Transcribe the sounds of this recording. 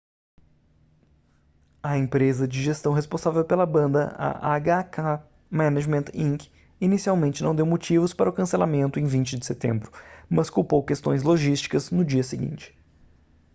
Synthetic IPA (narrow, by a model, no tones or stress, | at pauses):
ɐẽpɾezɐd͡ʒɪʒest̪ɐ̃w̃ɦespõsavewpelɐbɐ̃nd̪ɐ̰ɐ̰ʔa̰ɡaka | mɛ̃naʒmẽnt̪ĩk | inisiawmẽnt͡ʃɪnɐ̃w̃d̪ewmot͡ʃivʊspaɾɐʊkɐ̃selamẽnt̪ʊẽj̃vĩnt͡ʃɪd͡ʒɪset̪ḛ̃mbɾʊmɐskuwpowkest̪õj̃zloʒist͡ʃi̥kɐznʊd͡ʒiɐsɪɡḭ̃nt͡ʃɪ̥